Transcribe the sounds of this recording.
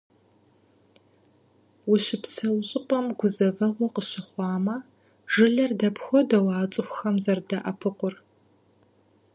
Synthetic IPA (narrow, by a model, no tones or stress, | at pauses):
wʊɕɪpsʰɐwɕʼɪqʼɐmɡʷʊzɐvɐʁʷɔqəɕɪχʷɑːmɐ | ʒ̥ɨɮɐrdɐpxʷɔdɐwɑːt͡sʼɪxʷʊxɐmzɐrdɐʔɐpʰɨqʷʊr